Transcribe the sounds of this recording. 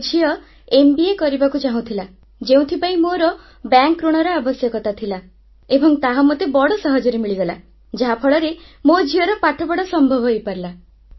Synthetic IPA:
d͡ʒʱiɔ | embiekɔɾibakut͡ʃaɦũt̪ʰila | d͡ʒeũt̪ʰipaĩmoɾɔ | bjaŋkːɾuɽ̃ɔɾɔabɔsjɔkɔt̪at̪ʰila | ebɔŋt̪aɦɔmot̪ebɔɽɔsɔɦɔd͡ʒɔɾemiɭiɡɔla | d͡ʒaɦapʰɔɭɔɾemod͡ʒʱiɔɾɔpaʈʰɔbɔɽɔsɔmbʱɔbʱɔepaɾla

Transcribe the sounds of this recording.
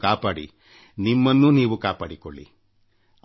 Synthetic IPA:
kaːpaːɽḭ | nimːɐnːuniːʋukaːpaːɽiko̰ɭːḭ

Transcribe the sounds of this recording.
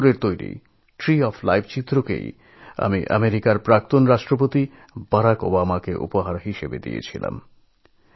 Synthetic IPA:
ɾeɾt̪ojɾḭ | ʈɾiɔfʰlajbʰt͡ɕit̪ːɾokḛj | a̰miʔa̰meɾikaɾpɾak̚t̪onɾaʃʈɾop̬ot̪i | b̥aɾako̰bamakeʔṵpoɦaɾɦiʃebḛd̪ḭjḛt͡ɕʰila̰m

